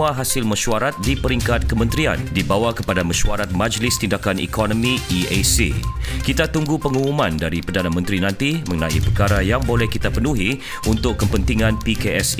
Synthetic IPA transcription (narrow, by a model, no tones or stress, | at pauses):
aɦasɪlməʃuaɾat̪̚dipəɾiŋkat̪̚kəmə̃nt̪ɾia̰ndibawakəpadaməʃuaɾat̪̚mãd͡ʒlɪst̪indakanḭkɔnɔ̃mĩiesḭkit̪at̪uŋɡupəŋumumãndaɾipərdanamə̃nt̪ɾinãnt̪imə̃ŋənaḭpərkaɾajaŋbolɛhkit̪apənuɦi | ʔunt̪ʊkkːəpənt̪iŋãnpikeɛs